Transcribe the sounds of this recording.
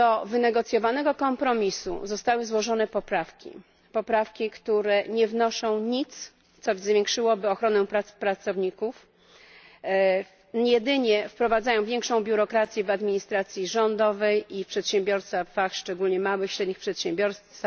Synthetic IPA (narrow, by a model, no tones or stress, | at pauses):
d̪̥ɔvɘnɛɡɔt̪sʲjɔvanɛɡɔkɔmpɾɔmʲisṵzɔst̪awɘzwɔʐɔn̪ɛpɔpɾafkʲḭ | pɔpɾafkʲikt̪uɾɛɲɛvnɔʂɔ̃w̃ɲit̪s | t̪sɔzvʲjeŋkʂɘwɔbɘɔxɾɔnɛpɾapɾat̪sɔvɲikuf | jɛd̪ɘɲɛfpɾɔvad̪zajɔ̃w̃vʲjɛŋkʂɔ̃w̃bʲjuɾɔkɾat̪sʲjɛvad̪mʲiɲist̪ɾat̪sʲjiʐɔnd̪ɔvɛjʔifpʂɛt̪ɕɛmbʲjɔɾst̪avaxʂt͡ʂɛɡulɲɛmawɘxɕɾɛd̪ɲixpʂɛt̪ɕɛmbʲjɔɾst̪s